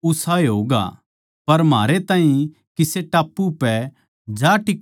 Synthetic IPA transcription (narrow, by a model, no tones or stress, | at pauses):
ʊsaːeɦoːɡa̰ | pɐɾmaːɾet̪ãːɦĩ | kɪseʈaːpːupɛ | d͡ʒaʈɪk